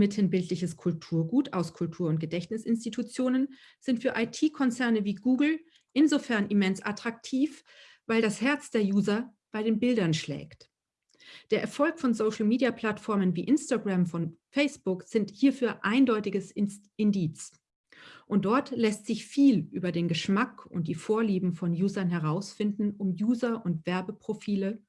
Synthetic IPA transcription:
mɪthənbɪltʰlɪçəskʰʊltʰuːɐɡuːtaʊskʰʊltʰuːɐʊnt̚ɡ̥ədɛçnɪsʔɪnstitʰut͡sjoːnən | z̥ɪntfyːɐʔaɪtʰiːkʰɔnt͡sɛɐnəviːɡuːɡl̩ | ʔɪnzofɛɐnʔimɛnsʔatʁ̥ak̚tʰiːf | vaɪldashɛɐt͡sd̥eːɐjuːzɐ | b̥aɪɾeːnbɪldɐnʃlɛ̰ːkt | d̥eːɐʔɛɐfɔlkfɔnzoʊʃl̩miːdiapʰl̥atfɔɐmənviːʔɪnstaɡʁamfɔnfɛɪsb̥ʊkz̥ɪnthiːɐfyːɐʔaɪndɔʏtɪɡəs | ɪndiːt͡s | ʔʊnt̚d̥ɔɐtlɛstz̥ɪçfiːlʔyːbɐdeːnɡəʃmakʊ̰nt̚d̥iːfoːɐliːbm̩fɔnjuːzɐnɦɛʁ̞aʊsfɪndn̩ʊmjuːzɐʔʊntv̥ɛɐbəpʁ̥ofiːlə

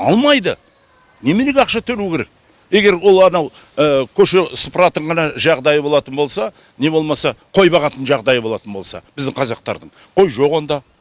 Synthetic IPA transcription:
ɑlˠmɑjd̪ə̰ | ne̞meleɡʲeɑqʃɑt̪ʰɵɾukʲʰe̞ɾek̚ | e̞ɡʲe̞ɾwo̞lˠɑnɑw | əkʲʰɵʃesʊ̥pɾɑt̪əɴʁɑnɑʒɑʁd̪ɑjəbo̞lˠɑt̪ənbo̞lˠsɑ | ne̞bo̞lˠmɑsɑqʰo̞jbɑʁɑt̪ənʒɑʁd̪ɑjəbo̞lˠɑ̰t̪ənbo̞lˠsɑ̰b̥ɪzd̪ɪɴqʰɑzɑq̚t̪ɑ̰ɾd̪əɴ | qʰo̞jʒo̞qwo̞nd̪ɑ

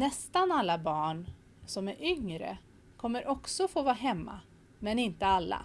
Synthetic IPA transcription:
nɛst̪analːabɑːɳ | sɔmæɾʔʏŋɾə̰ | kʰɔmːəɾʔɔksɔfoːvɑːɦɛmːa̰ | mɛnɪnt̪əalːa̰

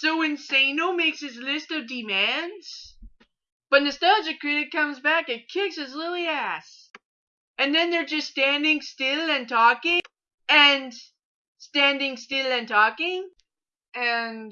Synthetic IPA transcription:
soʊwɨ̃nsẽɪ̃noʊmeɪksɨzlɪstʌvdɨmæ̃ndz̥ | b̥ʌ̃nðɨstɑd͡ʒɨkʰɹ̥ɪɾɨt̚kʰʌ̃mzbækɨ̃nkʰɪksɨzlɪɾl̩ˠiæs | ɨ̃nðɨ̃nðə˞d͡ʒʌststæ̃ndɪ̃ŋstɪlˠɨ̃ntʰɔkɪ̃ | ɨ̃n | stæ̃ndɪ̃ŋstɪlˠɨ̃ntʰɔkɪ̃ŋ | ɨ̃n

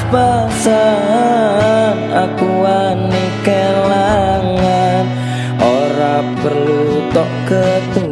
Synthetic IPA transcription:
basa | nakua | nikəlaŋan | ʔoɾapərlut̪ɔʔkət̪u

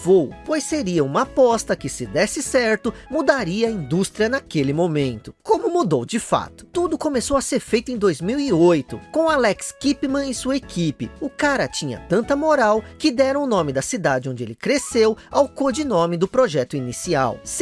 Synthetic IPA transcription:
vowpojsseɾiɐũmɐapɔst̪ɐkɪsɪd̪ɛsɪsɛɾt̪ʊmud̪aɾiɐːĩnd̪ust̪ɾiɐnakelɪmõmẽnt̪ʊkõmʊmud̪owd͡ʒɪfa̰t̪ʊ̥t̪ud̪ʊkomesowɐseɾfejt̪ʊẽd̪ojzmiwiojt̪ʊkõalɛkskipɪmɐ̃ẽj̃suɐekʰipɪʊkaɾɐt͡ʃĩɲɐ̰t̪ɐ̃nt̪ɐmoɾawkɪd̪ɛɾɐ̃w̃ʊnõmɪd̪ɐsid̪ad͡ʒɪõd͡ʒɪḛlɪkɾesewawkod͡ʒɪnõmɪd̪ʊpɾoʒɛt̪ʊinisia̰ws

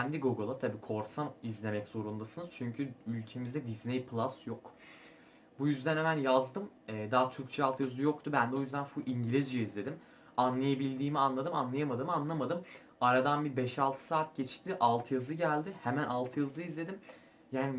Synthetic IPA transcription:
ænd̪iɡoɡolˠat̪ʰabiːkʰo̞ɾsanizlʲe̞mɛcz̥o̞ɾund̪asɯnɯz̥t͡ʃʰyɲcʰyylʲcʰe̞mizd̪ɛd̪iznejpʰlˠasjok | bujyzd̪ænhemænjazd̪ɯmɛːd̪aːt̪ʰyɾc̚t͡ʃʰɛalˠt̪ʰɯjazɯjo̞kt̪ʰubænd̪ɛojyzd̪ænfuʔiɲɟilʲizd͡ʒiizlʲe̞d̪im | anlˠajabilʲd̪iːmianlˠad̪ɯmanlˠajamad̪ɯmanlˠamad̪ɯm | aɾad̪anbibɛʃalˠt̪ʰɯ̥saːt̪̚ɟɛt͡ʃt̪ʰiʔalˠt̪ʰɯjazɯɟælʲd̪ɪhemænʔalˠt̪ʰɯjazlˠaizlʲe̞d̪im | jaːni

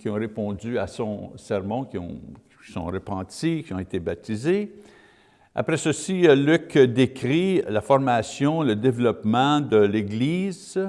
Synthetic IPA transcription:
kʲiɔ̃ʁepɔ̃d͡zyasɔ̃sɛʁmɔ̃kʲiɔ̰̃ | i̥sɔ̰̃ɾəpɑ̃t̪ikʲiɔ̃et̪ebat̪ize | a̰pʁɛsəsilykd̪ekʁilafɔʁmasjɔ̃ləd̪evlɔpmɑ̃d̪əleɡliːz

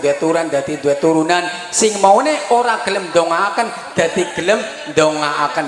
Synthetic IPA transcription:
d̪wɛt̪uɾand̪a̤t̪ind̪uɛt̪uɾunan | sɪŋmauneoɾaɡ̥ələmnd̪ɔŋaːkən | d̪̥ä̤t̪iɡ̥ələm | nd̪ɔŋaʔakən

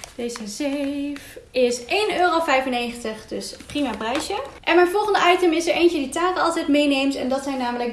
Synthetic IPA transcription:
d̥ejzəzefɪsʔejnøːrowfɛjfənːejχəntəχdɵsprimaːprɛjʃəʔɛnmɛjnvɔlˠχəndəɑjtəmɪsəɹʔejncəditaːkəɑlˠtɛjtmejnejmsɛ̰ndɑtsɛjnːaːmələk̚

